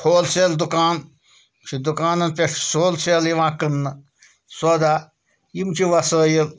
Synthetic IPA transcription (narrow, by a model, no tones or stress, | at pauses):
hʰoːlseld̪ukaːn | t͡ʃʰid̪ukaːnɐnpʲeʂsoːlseljiʋãːkɨnːɨ | sod̪aː | jimt͡ʃʰiʋɐsəːjil